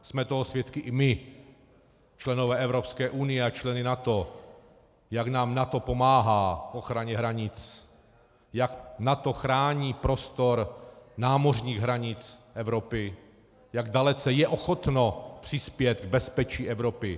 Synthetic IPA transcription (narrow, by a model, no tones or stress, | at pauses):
smɛt̪oɦosvjɛt̪kɪʔɪmɪ | t͡ʃlɛnovɛːʔɛvɾopskɛːʔunɪjɛat͡ʃlɛnɪnat̪o̞ | jaknaːmnat̪o̞pomaːɦaːfʔo̞xɾaɲɛɦɾaɲɪt͡s | jaknat̪o̞xɾaːɲiːpɾo̞st̪o̞ɾnaːmo̞r̝ɲiːɣɦɾaɲɪt͡sʔɛvɾo̞pɪ | jaɡdalɛt͡sɛjɛʔoxo̞t̪nopr̥ɪspjɛt̪ɡ̚bɛspɛt͡ʃiːʔɛvɾopɪ